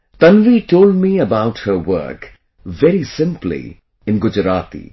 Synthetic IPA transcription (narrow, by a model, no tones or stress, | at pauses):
t̪ʌ̃nʋiʈoːld̚miəbaʊthəwɜ̰˞k | vɛɾisɪ̃mplḭ | ɪ̃nɡʊd͡ʒəɾaːt̪ḭ